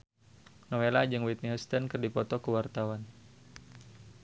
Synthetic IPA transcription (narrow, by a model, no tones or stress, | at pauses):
nowelad͡ʒɨŋwit̪̚niɦust̪ənkərdipɔt̪ɔkəwart̪awan